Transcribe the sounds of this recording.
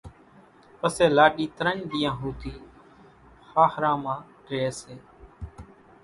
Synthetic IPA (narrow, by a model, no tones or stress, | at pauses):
pəseːlaːɗiːt̪əɾəɳd̪ɪjãːɦuːt̪iː | xaːxɾãːmãː | ɾeːseː